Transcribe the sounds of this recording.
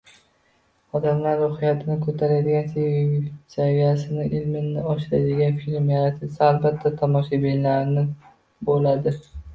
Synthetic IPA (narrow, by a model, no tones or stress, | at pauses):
ɒd̪amlaɾːohɪjat̪ʰɪnɪkʰɵt̪ʰaɾajd̪ɪɡʲansesavijasɪnɪʔɪlmɪnːɪɒʃɪɾajd̪ɪɡʲanfilmjaɾat̪ʰɪsaːlbat̪ʰːat̪ʰamɒʃabellaɾnɪ | bolad̪ɪ